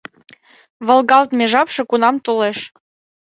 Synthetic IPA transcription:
βɤ̆lˠɡɑlt̪meʒɑpʃɤ̆kunɑmt̪oleʃ

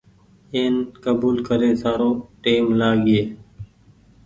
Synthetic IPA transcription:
eːnkəbuːlkəɾeːsaːɾoːʈeːmlaːɡɪeː

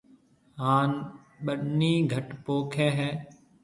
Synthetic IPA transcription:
ɦaːn | ɓəɗniːɡʱəʈpoːkʰɛːɦɛː

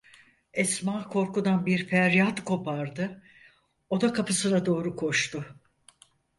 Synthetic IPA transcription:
ɛsmaːkʰo̞ɾkud̪anbiɾfæɾjat̪kʰo̞pʰaɾd̪ɯ | o̞d̪akʰapɯsɯnad̪o̞ːɾukʰo̞ʃt̪ʰʊ

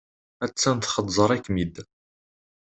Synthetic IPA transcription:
æt͡sːænt̪χəd̪ˤzˤəɾˤækːmid̪

